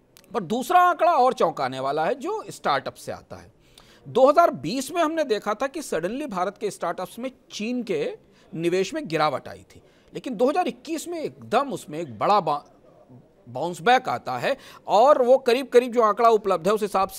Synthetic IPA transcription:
pɐɾd̪uːsɾaãːkɽaɔːɾt͡ʃɔ̃ːkaːneʋaːlaɦɛd͡ʒoːɪsʈaːɾʈəpsːea̰ːt̪a̰ɦɛ̰ː | d̪oːɦɐzaːɾbiːsmẽɦɐmned̪eːkʰat̪ʰakisɐɽənlibʱaːɾət̪kesʈaːɾʈəpsmẽt͡ʃiːnke | nɪʋeːʃmẽɡɪɾaːʋə̰ʈa̰ːḭt̪ʰi̥ː | leːkɪnd̪oːɦɐzaːɾɪkːiːsmẽeːk̚d̪əmʊsmẽːk̚bɐɽab | bãːʊ̃nsbɛ̃ːka̰ːt̪a̰ɦɛɔːɾʋokɐɾiːb̚kɐɾiːb̚d͡ʒoːãːkɭaʊpləb̚d̪ʱɦɛʊsɦɪsaːbs

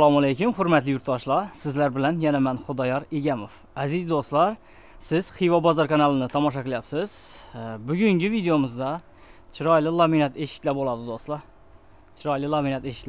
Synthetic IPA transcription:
lˠɑmælejkʲumχʊɾmæt̪lɪjuɾt̪ːɑʃlˠɑsɪzlæɾbɪlænjɛnæmænχʊd̪ɑjɑɾeɡʲæmof | æzizd̪oslˠɑɾ | sɪz̥χijvɑbɑzɑɾkʰɑnɑlˠɨnɪt̪ʰɑmɑʃ̬ɑkɨlˠjɑpsɪz̥bʊɡʲyŋɡʲɪvid̪ejomɨzd̪ɑ | t͡ʃʰiɾɑjlˠɪlˠɑminɑt̪eʃɪ̥t̪ʲlæbolˠɑd̪ɨd̪oslˠɑɾ | t͡ʃʰɾɑjlˠɨlˠɑminɛt̪eʃɪ̥t̪l

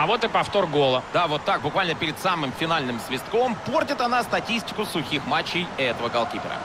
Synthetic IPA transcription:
ɐvo̞t̪ɨpɐft̪o̞rɡo̞lˠəd̪avo̞t̪ːak̚bʊkvalʲnəpʲɪɾʲɪd̪samɨmfʲɪnalʲnɨmsvʲɪst̪ko̞mpo̞rtʲɪt̪ɐnast̪ɐtʲisʲtʲɪ̥kʊsʊxʲixmat͡ɕːɪjɛt̪əvəkɐlˠkʲipʲɪ̰ɾə̰

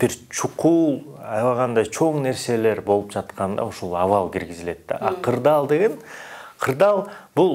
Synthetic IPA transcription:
b̥iɾt͡ʃʰuqulˠ | ɑjlɑʁɑnd̪ɑjt͡ʃʰo̞ɴne̞ɾse̞le̞ɾbo̞lˠupd͡ʒɑt̪qɑnd̪ɑ̰uʃulˠɑvɑlˠkiɾɡizile̞t̪ːaɑqʰɯɾd̪ɑlˠd̪eɡʲenqʰɯɾd̪ɑlˠbulˠ

